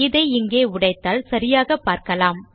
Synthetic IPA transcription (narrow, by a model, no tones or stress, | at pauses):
ɪðɐɪɪŋɡeːʊɽɐɪt̪ːaːlsɐɾɪjaːɣɐpːaːɾkɐlaːm